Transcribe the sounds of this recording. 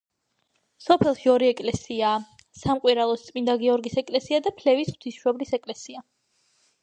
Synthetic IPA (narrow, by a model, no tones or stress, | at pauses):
sɔpʰɛlˠʃiɔɾiɛkʼlɛsiaː | samqʼwiɾalˠɔst̪sʼmind̪aɡiɔɾɡisɛkʼlɛsiad̪apʰlɛvisχt̪ʰisʃɛblisɛkʼlɛsia